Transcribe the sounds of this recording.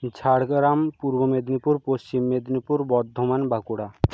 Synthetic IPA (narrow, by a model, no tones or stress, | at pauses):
d͡ʑʱʰaɽɡɾampuɾbomed̪nipuɾpost͡ɕimːed̪nipuɾbɔd̪ʱːomanbakuɽa